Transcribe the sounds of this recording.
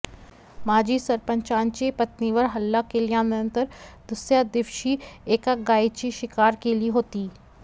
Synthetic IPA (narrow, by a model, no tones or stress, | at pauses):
maːd͡ʒisɐɾpə̃ɲt͡ʃãːnt͡ʃepɐt̪niʋəɾɦɐlːakelijãːmɪə̃nt̪əɾd̪̥ʊsjad̪ɪʋʃieːkaɡaːit͡ʃiʃɪkaːɾkelieɦoːt̪iː